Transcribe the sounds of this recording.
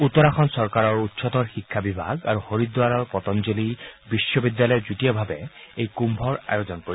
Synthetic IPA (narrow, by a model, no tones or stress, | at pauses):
ut̪ɔɹaxɔnsɔɹkaɹɔɹutːsɔt̪ɔɹxikʰːabibʱa̰ɡa̰ɹuxoɹid̪waɹɔɹpɔt̪ɔnzolibisːɔbidjalɔjɛzutijɔbʱabɛejkumbʱɔɹa̰jozɔnpoi